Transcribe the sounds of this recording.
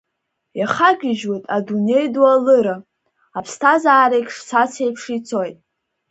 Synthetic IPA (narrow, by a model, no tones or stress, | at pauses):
jaχaɡʲɪʒwatʼadune̞jdwalɨɾa | apʰstʰazaːɾekʲʰʂsat͡sʰejpʰʂit͡sʰo̞jtʼ